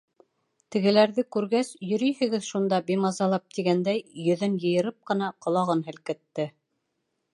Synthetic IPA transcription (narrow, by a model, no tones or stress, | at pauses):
t̪ɘ̆ɡɘ̆læɾðɘkʉɾɡæsjɵ̆ɾɵjhɘ̆ɡɘðʃund̪ɑbimɑzɑlˠɑp̚t̪iɡænd̪æjːɵ̆ðɘnjɤ̆jɤ̆ɾɤp̚qɤ̆nɑqŏlˠɑʁɤnɦɘ̆lkɘ̆t̪ːɘ